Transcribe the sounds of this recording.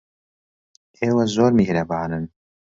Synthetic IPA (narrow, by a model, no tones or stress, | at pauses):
ʔeːwɐzoːɾmihɾɐbaːnɨn